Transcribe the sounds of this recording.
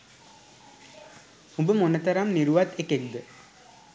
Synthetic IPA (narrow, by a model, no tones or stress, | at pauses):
hũbəmonət̪əɾamniɾuʋat̪ekek̚d̪ə